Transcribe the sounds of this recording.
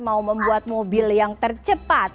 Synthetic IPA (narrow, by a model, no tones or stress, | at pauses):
mauməmbuat̪̚mobɪljaŋt̪ərt͡ʃəpat̪